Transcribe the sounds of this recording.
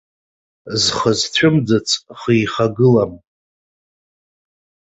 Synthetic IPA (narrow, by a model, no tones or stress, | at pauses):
zχəztʷʰʊmdɨt͡sʰʼχijχaɡɨlam